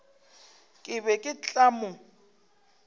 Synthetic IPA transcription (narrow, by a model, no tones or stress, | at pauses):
kʼɪβɛkʼɪt͡ɬʼamʊ